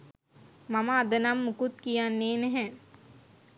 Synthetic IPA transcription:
mɐmad̪ɐnamːʊkut̪̚kijaneːnɦɛ̃

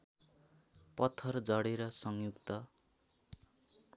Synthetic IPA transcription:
pʌt̪ʰːʌrd͡zʌɽeɾʌsʌŋjukt̪ʌ

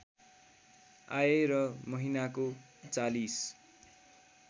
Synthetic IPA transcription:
aerʌmʌɦinako | t͡salis

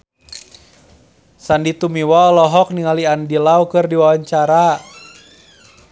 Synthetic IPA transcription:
sandit̪umiwɔlɔɦɔk̚niŋaliandilawkɨrdiwawaɲt͡ʃaɾa

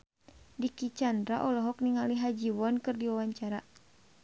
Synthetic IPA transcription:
dikit͡ʃandɾaʔɔlɔɦɔk̚niŋaliɦad͡ʒiwɔnkɨrdiwawaɲt͡ʃaɾa

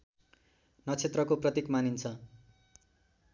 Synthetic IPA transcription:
nʌt͡sʰet̪rʌkoprʌt̪ikmanint͡sʰʌ

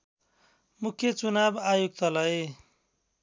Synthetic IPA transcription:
mukʰjʌt͡sunabajuɡ̚t̪ʌlʌ

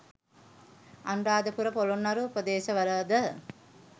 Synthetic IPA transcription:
anraːd̪əpuɾəpolunːɐɾuupəd̪eːʃəʋəɾəd̪ə

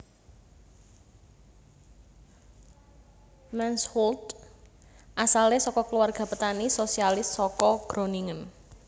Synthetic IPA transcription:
mɛnshɔlt̪ | ʔasalesɔkɔkluwarɡ̥a̤pət̪anisosialɪsːɔkɔɡ̥ɾo̤niŋən

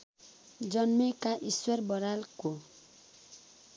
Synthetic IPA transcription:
d͡zʌnmekaʔiswʌrbʌɾalko

